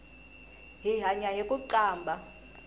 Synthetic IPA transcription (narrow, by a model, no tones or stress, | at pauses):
ɦiɦaɲaɦikʼuǀaːmbʱa